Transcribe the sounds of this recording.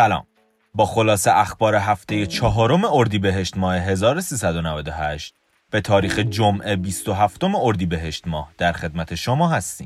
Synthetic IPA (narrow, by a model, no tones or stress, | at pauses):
sælɒ̰ːm | bɒːxo̞lɒːse̞ʔæxbɒːɾeɦæft̪e̞je̞t͡ʃʰɒːɦɒːɾome̞oɾd̪iːbeɦe̞ʃt̪mɒːhe̞ɦe̞zɒːɾo̞siːsæd̪o̞nævæd̪o̞ɦæʃt̪̚ | b̥e̞t̪ʰɒːɾiːxed͡ʒomʔe̞bist̪o̞ɦæft̪o̞meo̞ɾd̪iːbe̞ɦe̞ʃt̪mɒːhd̪̥æɾxe̞d̪̚mæt̪ʰe̞ʃomɒːɦæst̪ḭːm